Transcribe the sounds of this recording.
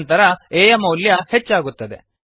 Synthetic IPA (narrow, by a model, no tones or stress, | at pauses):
nt̪ɐɾɐeːjɐmɐwljɐhet͡ʃːaːɡut̪ːɐd̪e